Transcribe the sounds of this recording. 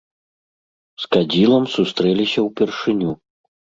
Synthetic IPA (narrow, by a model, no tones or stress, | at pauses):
skad͡zʲilˠɐmsust̪ɾɛlʲisʲɐwpʲɛrʂɨnʲu